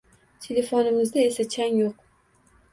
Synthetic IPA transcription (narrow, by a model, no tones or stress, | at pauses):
t̪ʲʰelʲefonɪmɪzd̪aesat͡ʃʰanjoq